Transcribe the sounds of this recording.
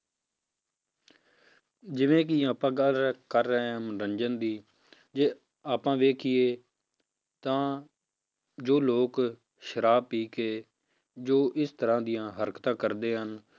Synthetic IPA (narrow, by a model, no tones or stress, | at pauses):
d͡ʒɪʋẽːk̬ɪaːpãːɡəlɾəkəɾːɛmɾəɲd͡ʒənd̪iː | d͡ʒeː | aːpãːʋeːkʰɪeː | t̪ãː | d͡ʒoːloːk | ʃəɾaːbpiːkeː | d͡ʒoːʔɪst̪əɾãːd̪ɪjãːɦəɾkt̪ãːkəɾd̪eːɦən